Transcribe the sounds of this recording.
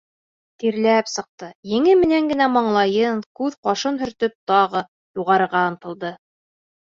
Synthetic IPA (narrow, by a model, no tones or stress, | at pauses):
t̪iɾlæpsɤ̆q̚t̪ɤjɘ̆ŋɘmɘ̆næŋɡɘ̆næmɑɴlˠɑjɤŋkʉðqɑʃɤnɦɵ̆ɾt̪ɵp̚t̪ɑʁɤ | juʁɑɾɤ̆ɾʁɑɤ̆nt̪ɤ̆lˠd̪ɤ